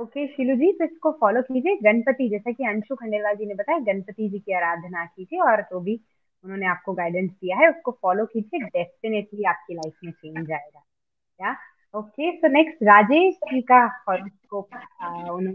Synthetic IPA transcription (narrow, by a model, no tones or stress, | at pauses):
oːkeʃɪlud͡ʒiːt̪oɪskofɔːloːkiːd͡ʒieɡɐnpət̪id͡ʒɛːsakiɐ̃nʃukʰɐ̃ɳɖeːlʋaːld͡ʒinebɐt̪aːɛɡɐnpət̪id͡ʒiːkiaːɾaːd̪ʱnakid͡ʒʰiɔːɾd͡ʒoːbʱi | ʊnɦõːneaːp̚koɡaːɪɖə̃nsd̪ijaɦɛʊskofɔːlokid͡ʒieɖɛːsʈɪneʈliaːp̚kilaɪfmẽt͡ʃẽːɲd͡ʒd͡ʒaːeːɡaː | jaː | oːkesoːnɛksʈɾaːd͡ʒeːikaɔɾskoːʊñː